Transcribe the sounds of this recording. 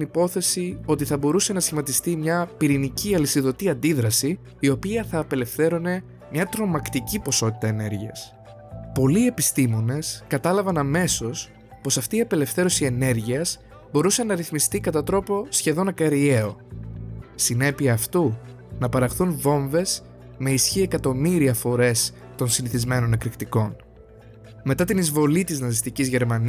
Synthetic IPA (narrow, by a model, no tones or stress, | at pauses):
nipo̞θe̞sio̞t̪iθɐbo̞ɾuse̞nɐsçimɐt̪ist̪imɲɐpiɾiniciɐlisiðo̞t̪iɐnd̪iðɾɐsiː | o̞piɐθɐːpe̞le̞fθe̞ɾone̞ | mɲɐt̪ɾo̞mɐkt̪icipo̞so̞t̪it̪ɐe̞ne̞ɾʝiɐs | po̞lie̞pist̪imo̞ne̞skɐt̪ɐlɐvɐnɐme̞so̞s | po̞sɐft̪iːɐpe̞le̞fθe̞ɾo̞sie̞ne̞ɾʝiɐs | bo̞ɾusenɐɾiθmist̪ikɐt̪ɐt̪ɾo̞po̞sçe̞ðo̞nɐkɐɾie̞o̞ | sine̞piɐːft̪u | nɐpɐɾɐxθunvo̞ɱve̞s | me̞isçie̞kɐt̪o̞miɾiɐfo̞ɾe̞s | t̪o̞nsiniθizme̞no̞nekɾikt̪iko̞n | me̞t̪ɐt̪inizvo̞lit̪iznɐzist̪icizʝe̞ɾmɐn